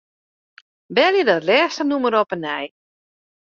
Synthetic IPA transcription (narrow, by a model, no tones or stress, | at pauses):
bɛljədɔtlɛːstənuməɾɔpənɛj